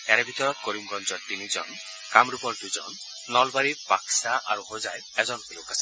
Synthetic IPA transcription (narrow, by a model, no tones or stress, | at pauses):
aɾebʱit̪ɔɾɔt̪koɾimɡɔnd͡ʒɔt̪inid͡ʒɔ̰n | kamɾupɔɾd̪ud͡ʒɔ̰n | nɔlbaɾipaksaʔaɾuhod͡ʒaj | ed͡ʒɔnlokasa